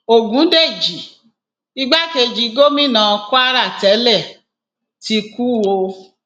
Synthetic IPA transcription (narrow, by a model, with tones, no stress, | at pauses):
o˨ɡũ˨˦de˦˨d͡ʒi˨˦ | i˦ɡ͡ba˦ke˧d͡ʒi˧ɡo˦mĩ˦˨nã˧ku˦a˦ɾa˦˨tɛ˨˦lɛ˦˨ | ti˧ku˦wo˧